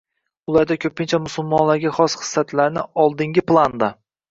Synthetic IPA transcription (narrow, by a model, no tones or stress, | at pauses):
ʊlˠaɾd̪akʲʰɵpʰɪnt͡ʃʰamʊsʊlˠmɒnlaɾɡʲaχɒsχɨ̥sːat̪ʰlaɾnɪɒlˠd̪ɪŋɡʲɪplˠand̪a